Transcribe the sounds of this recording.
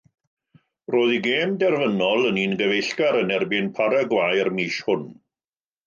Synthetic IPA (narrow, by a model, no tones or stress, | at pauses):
roːðiɡeːmdɛrvənɔlˠəniːnɡəvejɬɡaɾənɛrbɪnpʰaɾaɡwajrmiːʃhʊn